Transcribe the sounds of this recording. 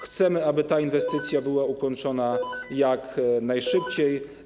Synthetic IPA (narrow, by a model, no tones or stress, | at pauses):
xt̪sɛmɘabɘt̪ainvɛst̪ɘt̪sʲjabɘwaukɔnt͡ʂɔnajaknajʂɘpt͡ɕej